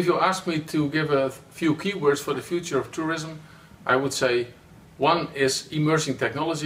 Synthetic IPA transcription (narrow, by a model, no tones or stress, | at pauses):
ɨfjuæsk̚mitʰuɡɪvəfjukʰiwɜ˞dz̥fə˞ðɨfjut͡ʃə˞ʌv̥tʰuɹɪzə̃m | ʔaɪwəd̥seɪ | wʌ̃nɪzimɜ˞d͡ʒɪ̃ŋtʰɛk̚nɑlˠəd͡ʒi